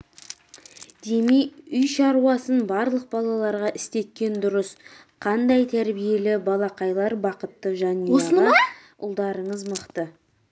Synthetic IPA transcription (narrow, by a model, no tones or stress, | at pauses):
d̪e̞mejʏjʃɑɾuwɑsənbɑɾlˠəq̚bɑlˠɑlˠɑɾʁɑʔɪst̪e̞t̪̚kʲːe̞nd̪ʊɾəs | qʰɑnd̪ɑjt̪ʰæɾbije̞lɪbɑlˠɑqɑjlˠɑɾbɑqət̪ːəʒɑnijosʁɑ | ʔʊ̰lˠd̪ɑɾəɴəzməqt̪ə